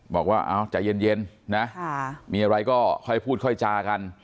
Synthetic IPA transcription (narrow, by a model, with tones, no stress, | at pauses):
bɔː˨˩k̚waː˥˩ʔa̰ː˧˩wt͡ɕa̰˨˩je˧nje˧nːa˦˥miː˧ʔa˧ɾa˧jkɔː˥˩kʰɔ˥˩jpʰuː˥˩kʰɔ˥˩jt͡ɕaː˧ka˧n